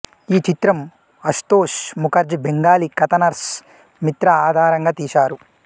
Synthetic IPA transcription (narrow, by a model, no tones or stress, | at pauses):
iːt͡ʃit̪ɾɐm | ɐʂt̪oːʂmukɐɾd͡ʒibʱeŋɡaːlikɐt̪ɐnɐɾs | mit̪ɾɐaːd̪ʱaːɾɐŋɡaːt̪iːʃaːɾu